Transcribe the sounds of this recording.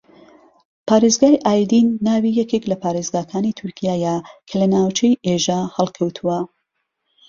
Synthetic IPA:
pʰaːɾezɡaːjʔaːjd̪inːaːwijɛkʲeklɐpʰaːɾezɡaːkʰaːnit̪ʰʊɾkʰijaːjakʰɐlɐnaːwt͡ʃʰejʔeʒaːhɐlˠkʰɐwt̪ʰuwɐ

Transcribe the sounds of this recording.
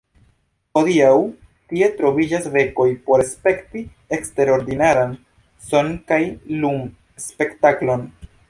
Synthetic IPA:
podiaw | tie̞tɾo̞vid͡ʒasɾe̞ko̞jpo̞ɾespe̞kti | e̞kste̞ɾo̞ɾdinaɾan | so̞nkajlum | spe̞ktaklo̞n

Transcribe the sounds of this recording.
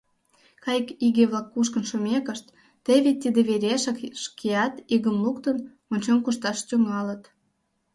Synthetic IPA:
kɑjəkiɣeβlˠɑkːuʃkə̆nʃumʲekəʃt̪ː | eβit̪̚ʲːid̪eβeɾʲeʃə̆kʃkeɑt̪iɣəmlukt̪ən | onʲt͡ɕomkuʃt̪ɑʃt̪yŋɑlət̪

